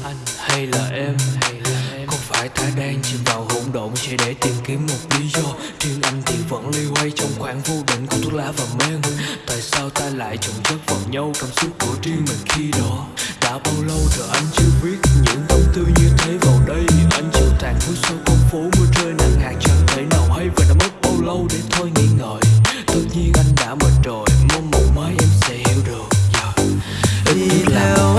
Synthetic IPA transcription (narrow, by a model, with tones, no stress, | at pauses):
ʔa˧jŋha˧jlaː˨˩ʔɛ˧m˧˨˩ | kɔ˨˦faː˧˩jt̪aː˧ɗaː˧ŋt͡ɕi˧˦ɗaː˨˩wɦo̰˧˩wŋ͡mɗo̰˧˨wŋ͡msɛ̰˧˥ɗe˧˩t̪i˨˩əmki˨˦əmːo˨˩t̚li˨˦zɔ˧ | t͡ɕi˧əŋʔa˧jŋ̟t̪i˨˥əvə̰˧˥nli˧ha˧jt͡ɕɔ˧wŋ͡mxwaː˧˩ŋvo˧ɗḭ˧˨ŋ̟ku˧˦t̪ʰu˦˥k̚laː˧˥vaː˨˩mɛ˧nt̪a̰ː˧˨jsaː˧wt̪aː˧la̰ː˧˨jt͡ɕɨ˧˩ŋ͡mt͡ɕə˦˥k̚vaː˨˩wɲa˧wkaː˧msʊ˦˥t̚ku˧˩ət͡ɕi˧əŋmï˨˩ŋ̟xi˧ɗɔ˨˦ɗa̰ː˧˥ɓaː˧wlə˧wzə˨˩ʔa˧jŋ̟t͡ɕɨ˧əvi˦˥ət̚ɲɨ̰˧˥ŋvə˨˦ŋ͡mt̪ʰɨ˧ɲɨ˧t̪ʰe˨˦va˨˩wɗə˧jɲɨ˧ŋʔa˧jŋ̟t͡ɕɨ˧˦t͡ɕaː˨˩ŋk̪ɨ˨˦so˧xə˧wŋ͡mfo˨˦mɨ˧ət͡ɕəː˧jna˨˩ŋhaː˨˩t͡ɕə˨˩t̪ʰə˧˦jna˨˩whə˧jvaː˨˩ɗa˨˦mə˦˥t̚ɓə˧˩wlə˧wɗe˨˩˦t̪ʰo˧jŋḭ˧˨ŋə̰ː˧˨jt̪ɨ˨˩t̚ɲi˧ənʔa˧jŋ̟ɗa̰ː˧˥mə˨˩nzo˨˩jmo˨˧˦nmo˨˩t̚maː˨˦jʔɛ˧msɛ̰˧˥hɛ˧˩wɗɨ˨˩ək̚zɔː˨˩ | ʔə˧ə˦t̚laː˨˩